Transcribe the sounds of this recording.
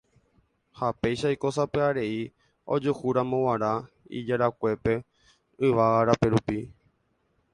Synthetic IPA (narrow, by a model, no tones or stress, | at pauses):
hape̞jʃajko̞sapeaɾe̞i | o̞̰d͡ʒuhuɾãmõ̞waɾa | ḭd͡ʒaɾakʷe̞pe̞ | ɨʋaaɾape̞ɾupi